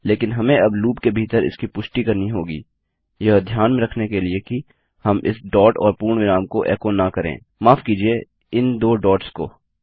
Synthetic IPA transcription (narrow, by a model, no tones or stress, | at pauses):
leːkɪnɦɐmẽɐbluːpkebʱiːt̪əɾɪ̰skipʊʃʈikɐɾniɦoːɡḭː | jɐɦd̪ʱjaːnmẽɾɐkʰnekelieki | hɐmʔɪ̰sɖɔːʈɔ̰ːɾpuːɾɳ̃ʋɪnaːmkoʔɛ̰ːkonakɐɾḛ̃ː | maːfkiːd͡ʒie | ɪnd̪oːɖɔːʈskoː